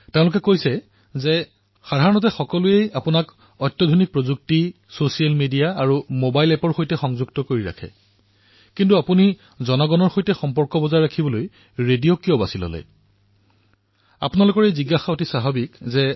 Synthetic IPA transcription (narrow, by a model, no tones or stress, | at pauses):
teʊ̃lʊk̬ɛkojsɛ | zɛ | xadʱaɹɔnɔtɛxɔkɔluejapʊnak | ɔtːɔdʱonik̚pɹozuk̚ti | sosialmedijaːɹumobajlɛpɔɹxojtɛxɔŋzuɡtɔkoɹiɹa̰kʰɛ̰ | kintuapuni | zɔnɔɡɔnɔɹxojtɛxɔmpɔɹkɔbɔzaɹakʰibɔloj | ɹedijokiobasilɔ̰lɛ̰ | a̰pʊnalʊkɔɹejziɡaxaotisaɦabikzɛ